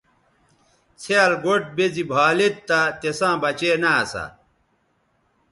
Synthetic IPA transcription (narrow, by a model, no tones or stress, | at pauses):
t͡sʰeɐlɡoʈ̚bezibʱaːlet̪t̪ːat̪esãːbɐt͡ɕeːnasa̰